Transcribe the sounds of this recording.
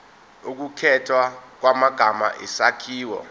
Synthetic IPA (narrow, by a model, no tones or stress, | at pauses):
uk̬ukʰɛtʰwak̬wamaɡ̥ʱama̰ʔisakʰiːwɔ̰